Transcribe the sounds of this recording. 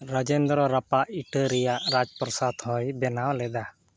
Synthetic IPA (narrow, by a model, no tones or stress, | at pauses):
ɾɔd͡ʒɛnd̪ɾɔɾapaʔiʈəɾɛjaʔɾad͡ʒpɾɔsad̪hɔjbɛnawlɛd̪a